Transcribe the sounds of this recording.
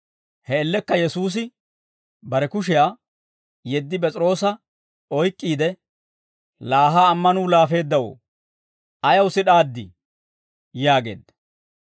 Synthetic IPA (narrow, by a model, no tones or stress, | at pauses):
hɛːlːɛkːɐjɛsuːs̬ɪ | bɐɾɛkʊʃ̬ɪjaː | jɛd̪ːɪp̬ʼɛt͡sʼɪɾo̞ːsɐ | ɔjkʼːiːd̪ɛ | laːɦaːmːɐnuːlaːfe̞ːd̪ːɐwo̰ː | ɐjɐwsɪɗaːd̪ːɪ | jaːɡe̞̰ːd̪ːɐ̥